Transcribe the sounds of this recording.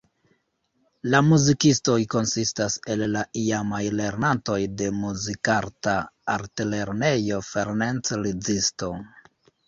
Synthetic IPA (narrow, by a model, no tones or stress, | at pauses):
lamuzikisto̞jko̞nsistase̞lːaʔiamajle̞ɾnanto̞jde̞muzikaɾtaːɾtele̞ɾne̞jo̞feɾnant͡slid͡zisto̞